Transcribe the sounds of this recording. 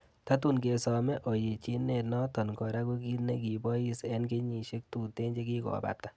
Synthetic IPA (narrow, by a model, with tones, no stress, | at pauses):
ta˦tu˦nke˨sɔ˨mɛ˦ʔo˨je˨t͡ʃi˦ne˨tnɔ˦tɔ˨nkɔ˨ɾa˦ko˦ki˦tne˦ki˨bɔ˦ji˦sɛ˦nke˦ɲi˨ʃe˦k̚tu˨te˦ɲd͡ʒe˦ki˦kɔ̰˨ba̰˨p̚ta˨